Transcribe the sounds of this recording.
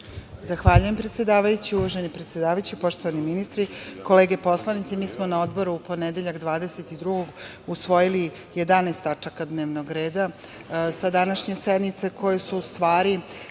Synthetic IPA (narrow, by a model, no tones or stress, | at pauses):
zaxʋaːʎuje̞mpɾet̪sje̞d̪aːʋajut͡ɕiuʋaʒenipɾet̪sʲje̞d̪aːʋajut͡ɕipo̞ʂt̪o̞ʋaniminist̪ɾiko̞le̞ːɡe̞po̞slˠanit̪semiːsmo̞nao̞d̪bo̞ɾuːpo̞ned̪e̞ʎaɡd̪ʋaːd̪e̞se̞t̪id̪ɾuɡoɡ | usʋo̞jili | je̞d̪anaːst̪at͡ʂakad̪ne̞ːʋnoɡɾe̞ːd̪a | sad̪anaʃɲe̞sed̪nit̪se̞kʰo̞jesuːst̪ʋaːɾi